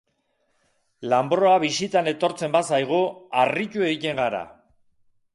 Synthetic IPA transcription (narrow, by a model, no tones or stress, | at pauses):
lambɾo̞aβisit̪ane̞t̪o̞ɾt͡se̞mbasajɣ̞uaricue̞ɣit̪e̞ŋɡaɾa̰